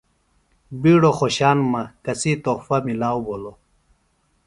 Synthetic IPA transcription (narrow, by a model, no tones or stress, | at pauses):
biːɽoxoɕaːnmɐkɐsit̪oːfɐmilaːwbolo